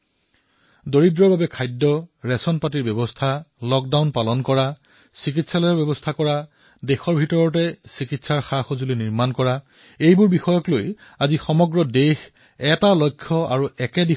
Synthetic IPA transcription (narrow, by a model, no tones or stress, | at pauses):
doɹidɹɔɹbabɛkʰajdːɔɹɛsɔnpatiɹbɛbɔstʰalɔk̚dawnpalɔnkɔɹa | sik̬itsalojaɹbɛbɔstʰakɔɹa | dexɔɹbʱitɔɹɔtɛsikitsaɹxaxozuliniɹmankɔɹa | ejbʊɹbixɔjɔklojazixɔmɔɡɹɔdex | ɛtalɔjkʰːɔa̰ɹuʔɛkɛdi